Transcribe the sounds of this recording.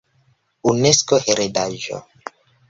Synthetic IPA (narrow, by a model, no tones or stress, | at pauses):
uneskoheɾedaʒo̰